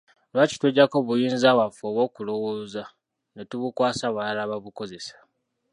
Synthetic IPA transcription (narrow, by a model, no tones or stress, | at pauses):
lwaci̥tweɟːako̞βujiːnzawafoβo̞ːkulo̞woːza | netuβukwaːsaβwalaβaβuko̞ze̞sḁ